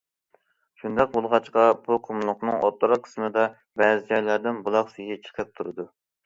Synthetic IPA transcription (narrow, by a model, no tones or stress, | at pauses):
ʃund̪ɑq̚bolˠʁɑt͡ʃqɑbuqʰomlˠʊqnɨŋo̰t̪ːɨɾɑqʰə̥smɨd̪ɑ | bɛːzɪd͡ʒɑjlæɾd̪ɪnbulˠɑqsijit͡ʃʰə̥qʰɛp̚t̪ʰuɾɨd̪u